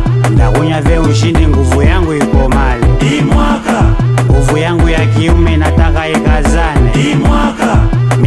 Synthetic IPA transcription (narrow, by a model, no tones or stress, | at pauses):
ndakuɲavɛuʃindiŋɡuvujaŋɡuikɔmalimwakŋɡuvujaŋɡujak̬iumɛnataŋkaɛkazanɛmwa | m